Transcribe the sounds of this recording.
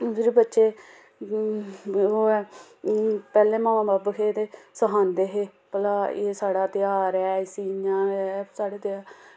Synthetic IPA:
pɪɾeːbətːʃeː | ɦoːɛː | pɛːlẽːmaːmãːbaːbkʰeːt̪eːsəɦãːnd̪eːɦeːpəlaːeːsaːɽaːt̪ɪjaːɾɛːsiːãːsaːɽeːt̪jaː

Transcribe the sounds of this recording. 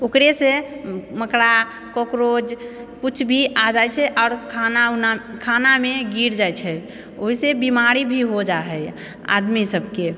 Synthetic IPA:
okɾesẽməkɽa | kokɾod͡ʒ | kut͡ʃʰbʱiʔad͡ʒajt͡ʃʰɛʔaʊɾkʰanaunakʰanameɡiɾd͡ʒajt͡ʃʰɛ | oɦisebimaɾibʱiɦod͡ʒaɦɛj | a̰d̪misəbʱke

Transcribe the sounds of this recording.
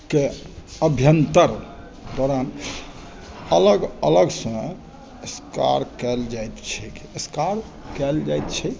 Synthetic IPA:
ke | əbʱjənt̪əɾ | d̪ɔɾan | ələɡələɡsə̃ | eska̰ɾkɛld͡ʒajt̪t͡ʃʰɛkəskaɾ | kɛld͡ʒajt̪t͡ʃʰɛ

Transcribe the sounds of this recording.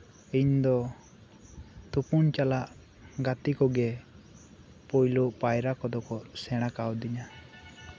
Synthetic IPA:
iɲd̪ɔ | t̪upunt͡ʃalaʔ | ɡat̪ikɔɡɛ | pɔjluʔpajɾakɔd̪ɔkɔsɛɽ̃akawd̪iɲa

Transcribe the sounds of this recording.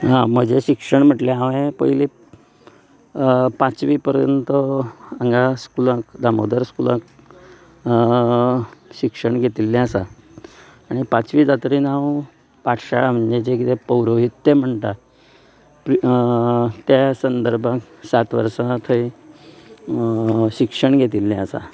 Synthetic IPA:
ɦãm̤əd͡ʑeɕikʂəɳm̤əʈljaaʋẽpə̰ili | pãt͡sʋiːpəɾjə̰nt̪əəŋɡaskulãkd̪amod̪əɾskulãk | ɕikʂəɳɡʱet̪ilːɛ̃əsaː | ɽ̃ipãt͡sʋiːd͡zat̪ɾiːnaw | paʈʰɕaɭam̤əɳd͡ʑet͡ɕekit̪epəwɾoɦit̪ːem̤əɳt̪a | p | t̪jasənd̪əɾbʱãk | sat̪ʋə̰ɾsãt̪ʰəi | ɕikʂəɳɡʱet̪ilːɛ̃əsa̰

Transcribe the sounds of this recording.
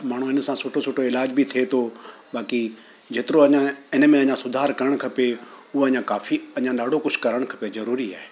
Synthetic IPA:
maːɳ̤ũɪnsãsʊʈʰosʊʈʰoɪlaːd͡ʑbit̪ʰiet̪ʰo | ɓaːki | d͡ʑeːt̪ɪɾoɐɲãɪnmẽɐ̃ɲãsʊd̪ʱaːɾkɐɾəɽ̃kʰɐpe | ʊɦoɐɲãkaːfʰiɐɲãɗaːɖʱokʊd͡ʒʰkɐɾəɽ̃kʰɐpezɐɾuːɾia̰ːɦeː

